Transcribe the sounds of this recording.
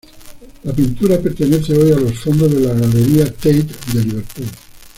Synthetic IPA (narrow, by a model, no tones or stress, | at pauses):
lapint̪uɾapeɾt̪eneθeojalosfond̪oðelaɣaleɾiat̪ejt̪d̪eliβeɾt̪u